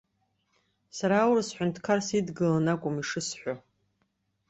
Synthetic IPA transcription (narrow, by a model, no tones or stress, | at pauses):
saɾaːwrsħʷᶣʊntʰkʰarsidɡɨlanakʷʼʊmiʂɨsħʷᶣo